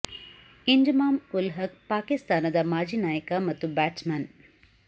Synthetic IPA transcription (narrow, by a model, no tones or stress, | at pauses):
iɲd͡ʒmaːmulɦɐk̚paːkist̪aːnɐd̪ɐmaːd͡ʒiːnaːjɐkɐmɐt̪ːubaːʈsmaːn